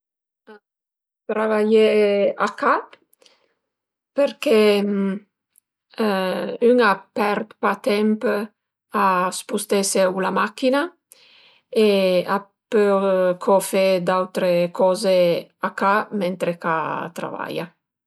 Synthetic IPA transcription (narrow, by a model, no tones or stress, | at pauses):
a | t̪ɾavajeaka | peɾkem | yŋapɛɾt̪pat̪ɛmp | aspust̪esewlamakina | ea | pøkʰɔfed̪awt̪ɾekɔzeakament̪ɾekat̪ɾa̰va̰ja̰